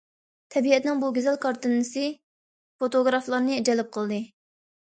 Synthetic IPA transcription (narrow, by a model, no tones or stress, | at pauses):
t̪ʰɛbiɛt̪nɪŋbuɡʲezɛlkʰɑɾt̪ɨnɨsɨ | fot̪oɡɾɑflˠɑɾnɨɛd͡ʒɛlɪp̚qʰəlˠd̪ɨ